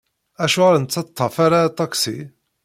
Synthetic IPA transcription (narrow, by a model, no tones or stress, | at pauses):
æʃuʁaɾənt͡sːɑt̪ˤʰːɑfaɾat̪ˤɑksḭ